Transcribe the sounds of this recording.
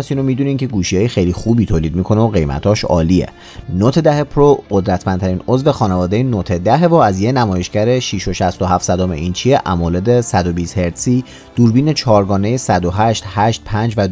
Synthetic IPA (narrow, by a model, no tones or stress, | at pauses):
siːnomiːd̪uniːmcʰe̞ɡuːʃiɒːjexejlixuːbiːt̪ʰoːliːd̪miːkʰo̞neoɣe̞jmæ̰t̪ʰɒːʃɒ̰ːliḛ | not̪ʰed̪æhe̞pʰɾoɢod̪ɾæt̪ʰmænt̪ʰæɾiːnozvexɒːnevɒːd̪ejenot̪ʰed̪æɦevɔːæzjenæmɒːje̞ʃcæɾe̞ʃiʃo̞ʃæst̪oɦæft̪sæd̪omḛint͡ʃʰieʔæ̰mɒːled̪e̞sæd̪obiːst̪he̞ɾt̪siː | d̪̥uːɾbiːne̞t͡ʃʰɒːɾɡɒːne̞jesæd̪oɦæʃt̪hæʃt̪̚pʰænd͡ʒvæ